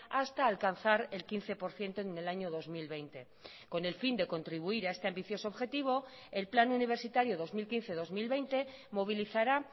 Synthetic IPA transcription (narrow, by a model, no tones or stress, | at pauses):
ast̪aːlkanθaɾe̞lkin̟θe̞po̞ɾθje̞nt̪one̞laɲo̞ðo̞zmilβe̞jnt̪e̞ | ko̞ne̞lfind̪e̞ko̞nt̪ɾiβ̞uiɾaest̪e̞ambiθjo̞so̞oβxe̞t̪iβ̞o̞ | e̞lplanuniβ̞e̞ɾsit̪aɾjoðo̞zmilkinθe̞ðo̞zmilβe̞jnt̪e̞ | moβ̞iliθaɾa